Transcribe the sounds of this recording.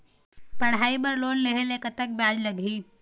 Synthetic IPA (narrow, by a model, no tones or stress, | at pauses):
pɐɽ̤aːibɐɾloːnleɦelekət̪ək̚bjaːd͡ʒlɐɡʱiː